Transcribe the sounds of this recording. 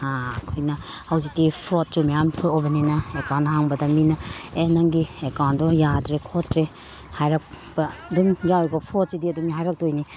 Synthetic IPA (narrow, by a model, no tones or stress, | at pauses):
akʰojnɐhɐwzik̚tipʰɾot̚sumejamtʰoobɐninɐekawnɦaŋbɐdɐminɐenɐŋɡiekawndɔjadɾekʰotɾe | hajɾɐk̚ | bɐɐdumjawɡɐpʰot̚sidiɐdumɦajɾɐk̚tojni